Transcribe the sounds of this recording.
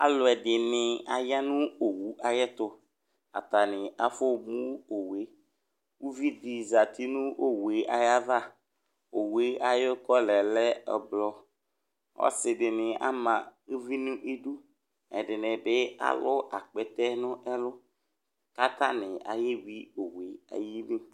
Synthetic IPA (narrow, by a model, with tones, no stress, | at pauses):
a̰˨lʊ˨ɛ˨dɪ˨nɪ˨a˨ja˦nʊ̃˦o˨wu˨˦ʔa˨jɛ˦t̪ʊ˦ | a̰˨t̪a˨nɪ˨a˦fʊ˦mũ˦o˨we˨˦ | wu˦vi˦d̪i˨za˨t̪i˦nʊ̃˦ʔo˦we˨˦ʔa˨ja˦va˦˨ | o˨we˦a˨jʊ˦kɔ˦lɛ˨lɛ˦ɛ̰˨blɔ˦ | ɔ̰˦sɪ˨bɪ˨nɪ̃˨a̰˦mã˨u˦vi˦nũ˦ʔe˦du˦ | ɛ̰˨dɪ˨nɛ̃˨bɪ˦a̰˦lʊ˦a˨k͡pɛ˨t̪ɛ˦nʊ̃˦ʔɛ˦lʊ˦ | ka˦t̪a˦nɪ˨a̰˨jɪ˦wi˦o˨we˨a̰˨ji˦mĩ˦